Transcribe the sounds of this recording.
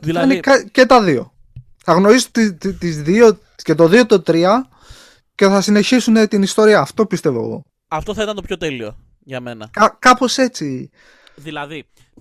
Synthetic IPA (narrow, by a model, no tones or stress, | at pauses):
ɐnekɐce̞t̪ɐðio̞ | θɐɣno̞ɾisut̪it̪t̪izðio̞ | ce̞t̪o̞ðio̞t̪ot̪ɾiɐ | ce̞θɐsine̞çisunet̪inist̪o̞ɾiɐːft̪o̞pist̪e̞vo̰ɣo̞̰ | ɐft̪oθɐit̪ɐnt̪opçot̪elio̰ | ʝɐmenɐkɐkɐpo̞se̞t͡si | ðilɐði